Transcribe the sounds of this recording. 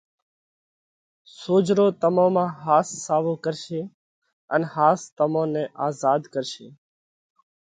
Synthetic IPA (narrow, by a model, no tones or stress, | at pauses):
soːd͡ʒɾoːt̪əmõːmãːɦaːsːaːʋõːkəɾʃeː | ənhaːst̪əmõːnɛ̃ːʔaːzaːd̪kəɾʃḛː